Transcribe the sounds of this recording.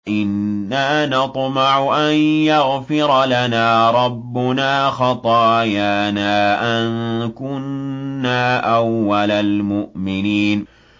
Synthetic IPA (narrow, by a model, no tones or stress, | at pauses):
ʔɪnːaːnɑt̪ˤmɑʕʊʔanjaɣfɪɾˤlanaːɾˤɑbːʊnaːxɑt̪ˤɑːjaːnaːʔankʊnːaːʔawːalalmʊʔmɪniːn